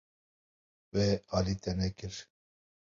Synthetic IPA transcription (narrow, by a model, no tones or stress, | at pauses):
wɛɑːlit̪ɛnɛkɨɾ